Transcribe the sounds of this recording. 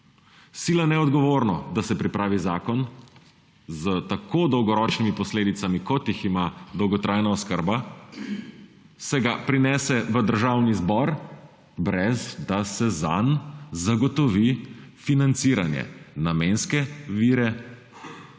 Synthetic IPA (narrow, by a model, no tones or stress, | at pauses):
siːlanɛɔd̪ɡɔʋoːɾnɔd̪asɛpɾipɾaːʋizaːkɔn | zət̪akod̪ɔwɡɔɾɔːt͡ʃnimipɔsleːd̪it̪samikɔt̪jiximad̪ɔwɡɔt̪ɾʔajnaɔskəɾba | sɛɡapɾinɛːsɛʋəd̪əɾʒawnizbɔɾ | bɾɛzd̪asɛza̰nzaɡɔt̪ɔʋifinant̪siːɾa̰njɛ̰namenskɛʋiːɾɛ